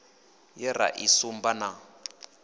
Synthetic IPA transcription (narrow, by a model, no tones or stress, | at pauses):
jɛra̰ʔisumbana